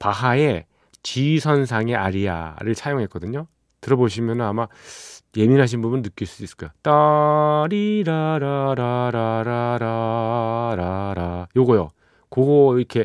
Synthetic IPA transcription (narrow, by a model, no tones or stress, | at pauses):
paɦae̞ | t͡ɕisʰʌns̬ʰaŋe̞ʔaɾia̰ɾɯɭsʰajoŋɦek͈ʌdɯɲo | tɯɾʌboɕ̬ʰimjʌnɯnamaje̞minɦaɕ̬ʰinbubunːɯk͈iɭs͈uduis͈ɯ̥k͈ajot͈ʌɾiɾaɾaɾaɾaɾaɾa | ɾaɾajoɡʌjo | koɡoiɾkʰe̞